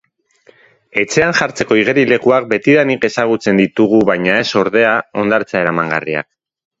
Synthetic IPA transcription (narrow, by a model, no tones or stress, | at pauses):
e̞t͡se̞anʝaɾt͡se̞ko̞iɣ̞e̞ɾile̞kuak̚be̞t̪iðanike̞saɣ̞ut͡se̞nd̪it̪uɣ̞uβajɲae̞so̞ɾðe̞ao̞nd̪aɾt͡sae̞ɾamaŋɡaria̰k